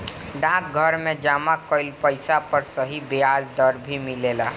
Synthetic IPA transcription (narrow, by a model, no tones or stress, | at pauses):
ɖãːk̚ɡʱəɾmẽd͡ʒaːmakoɪlpəɪsapəɾsəɦibeaːd͡ʒd̪əɾbʱimɪleːlaː